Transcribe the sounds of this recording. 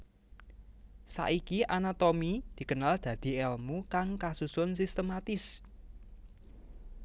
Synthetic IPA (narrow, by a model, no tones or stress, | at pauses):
sa̰ʔikiʔanat̪omid̪̥i̤kənald̪̥ä̤d̪̥i̤ɛlmukaŋkasusʊnsist̪əmat̪ɪs